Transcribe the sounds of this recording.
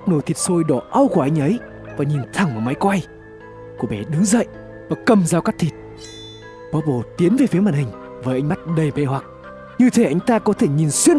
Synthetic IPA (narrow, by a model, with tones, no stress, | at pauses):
no˧˩jt̪ʰi˨˩t̚so˧jɗɔ˧˩ʔa˧wku˨˧˩ʔa˧ŋ̟ʔə˨˦j | vaː˨˩ɲi˨˩nt̪ʰa˨˧˩ŋʔə˨˩ma˨˦jkwa˧j | ku˧˩əɓɛ̰˨˩ɗɨ˨˦zə̰˧˨jʔ | vaː˨˩kə˨˩mzaː˧wkaː˦˥k̚t̪ʰi˨˩t̚ | ɓɔː˨˦ɓo˧˨˩t̪i˨˦ənve˨˩fi˨˦maː˧˨nhï˨˩ŋ̟ | vəː˨˦jʔa˧jŋ̟ma˦˥t̚ɗə˨˩jme˧˦ɦwa˨˩k̚ | ɲɨ˧t̪ʰe˨˦ʔa˧jŋ̟t̪aː˧kɔ˨˦t̪ʰe˧˩ɲi˨˩nswi˧ən